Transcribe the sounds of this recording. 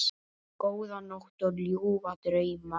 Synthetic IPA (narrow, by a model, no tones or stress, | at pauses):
koːwðanoht̪ɔɾljuwvat̪ɾejma